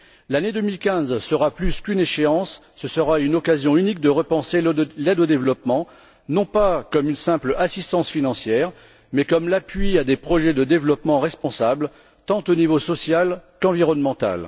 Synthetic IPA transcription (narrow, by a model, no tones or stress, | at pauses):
laned̪əmilkʲɛ̃zsəʁaplyskyneʃeɑ̃sː | əsəʁaynɔkazjɔ̃ynik̚d̪əʁəpɑ̃selɛd̪od̪evlɔpmɑ̃ | nɔ̃pakɔmynsɛ̃plasist̪ɑ̃sfinɑ̃sjɛːʁ | mɛkɔmlapɥiad̪epχɔʒɛd̪əd̪evlɔpmɑ̃ʁɛspɔ̃sabl | t̪ɑ̃t̪onivosɔsjalkɑ̃viʁɔnmɑ̃t̪a̰l